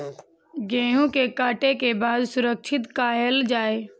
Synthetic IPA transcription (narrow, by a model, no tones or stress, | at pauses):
ɡẽːɦũkekaːʈekebaːd̪sʊɾək̚ʃʰɪt̪kaːjəld͡ʒaːeː